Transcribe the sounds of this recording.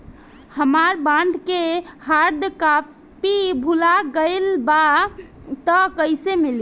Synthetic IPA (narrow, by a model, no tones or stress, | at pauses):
həmaɾbãɳɖ̪ʱkehaɾd̪ka | pibʱulaɡəɪlba | t̪əkəɪsemil